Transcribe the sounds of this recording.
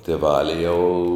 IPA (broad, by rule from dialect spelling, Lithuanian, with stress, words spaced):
tʲeːˈʋɑːlʲɪ jɛʊ